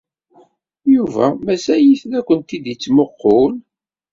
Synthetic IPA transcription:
juvæmæsæjiθnækʷːənt̪id̪it͡sːmoqːol

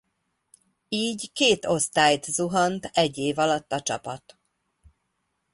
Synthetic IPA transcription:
iːɟkeːt̪o̞st̪aːjt̪zuɦɒnt̪ɛɟːeːvɒlɒt̪ːɒt͡ʃɒpɒt̪

